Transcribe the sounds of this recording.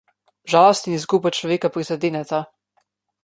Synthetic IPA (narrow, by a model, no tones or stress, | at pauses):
ʒaːlɔst̪inisɡupajt͡ʃlɔʋeːkapɾizad̪eːnɛt̪a